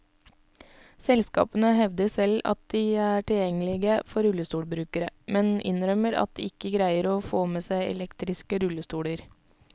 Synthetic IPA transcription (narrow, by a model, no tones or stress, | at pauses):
sɛlskɑ̰ːpənəhɛʋd̪əsɛlɑ̰t̪̚d̪iːæːʈɪljɛŋəlɪɡəfɔɾʉləst̪uːɽbɾʉːkəɾəmɛnɪ̰nɾœməɾɑ̰t̪̚d̪iːɪkːəɡɾæɪəɾoːfoːmeːsæɪʔɛ̰lɛkt̪ɾɪskəɾʉləst̪uːɽəɾ